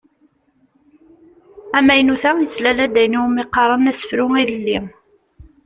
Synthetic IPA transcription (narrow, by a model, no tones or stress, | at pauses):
æmːæjnuθæjəslælæd̪æjnuwmiqːɑɾˤənæsə̥fɾʊiðəlːi